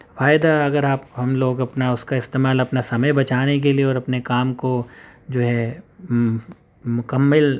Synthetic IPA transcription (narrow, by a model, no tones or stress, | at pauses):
faːɪd̪aɐɡəɾaːpɦɐmloːɡɐpnaʊskaɪst̪eːmaːlɐpnasɐməjbɐt͡ʃaːnek̬elieɔːɾɐpnekaːmkod͡ʒoːɦɛ | mʊkɐmːəl